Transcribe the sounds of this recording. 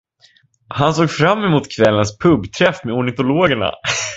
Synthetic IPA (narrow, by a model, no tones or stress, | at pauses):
hansoːɡfɾamːɛmuːt̪kʰvɛlːənspʰɵbːt̪ʰɾɛfmeʊɳɪt̪ʊloːɡəɳa̰